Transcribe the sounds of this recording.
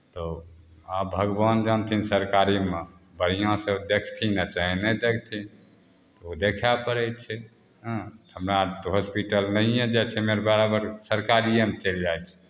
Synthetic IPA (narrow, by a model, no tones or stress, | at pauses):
t̪ɔ | abʱəɡband͡ʒant̪ʰinsəɾkaɾime | bəɽ̤ijãsəd̪ekʰt̪ʰinat͡ʃaɦɛnɛd̪ekʰt̪ʰi | od̪ekʰapəɾət͡ʃʰɛ | ɦə̃həmɾat̪ɦospiʈəlnəijẽd͡ʒat͡ʃʰɛmeɾbaɾabəɾsəɾkaɾijemet͡ʃəld͡ʒajt͡ʃʰɛ̥